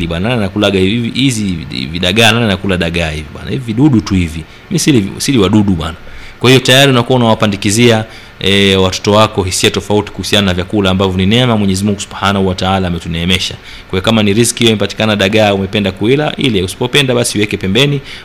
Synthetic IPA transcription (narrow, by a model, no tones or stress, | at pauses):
liɓanaalanakulaɠaiihiziviɗaɠanalinakulaɗaɠaːhiviɓwa̰na̰hiviviɗuɗutuhivi | misilḭsiliwaɗuɗuɓwa̰nakwahijɔtajaɾiunakuwaunawapandikizia | ɛwatɔ̥tɔwakɔɦisiatɔfauti̥kuhusiananavjakulaːmbavjɔninɛɛmamwɛɲɛzimuŋɡusuɓħanahuawataalaːmɛtunɛːmɛʃa | kwajɔkamaniɾiskiɛimɛpati̥kanaɗaɠaumɛpɛndakuila̰ʔilɛusi̥pɔpɛndaɓasiwɛkɛpɛmbɛni